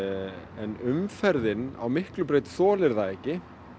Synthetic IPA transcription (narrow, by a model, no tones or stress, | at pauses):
ɛnʏmfɛɾðɪna̰wmɪhklʏpɾeːjt̪sɔːlɪɾðaɛhcːɪ